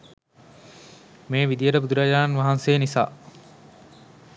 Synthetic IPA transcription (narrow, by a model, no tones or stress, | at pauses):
meːʋid̪ijəʈəbud̪uɾaːd͡ʒaːnnʋaɦanseːnisa̰ː